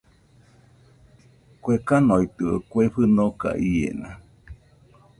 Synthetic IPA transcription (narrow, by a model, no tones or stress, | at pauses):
kwekanoit̪ɯokweɸɨnoka̰ʔiḛnã